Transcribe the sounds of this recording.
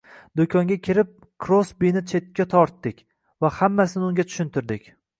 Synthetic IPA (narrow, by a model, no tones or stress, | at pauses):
d̪okʲʰɒŋɡʲakʲʰɪɾɪp̚ | kʰɾosbinɪt͡ʃʰe̞t̪̚kʲːat̪ʰɒɾt̪ːɪkʲ | vahamːasɪnɪʊŋɡʲat͡ʃ̪ʰʊ̥ʃʊnt̪ʰɪɾd̪ɪkʲ